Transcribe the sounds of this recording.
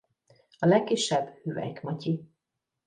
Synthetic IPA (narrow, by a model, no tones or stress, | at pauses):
ɒlɛkːiʃːɛbhyːvɛ̰jkmɒci